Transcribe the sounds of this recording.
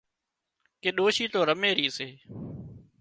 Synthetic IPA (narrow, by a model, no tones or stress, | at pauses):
keːɗoːʃiːt̪oːɾəmeːɾiːseː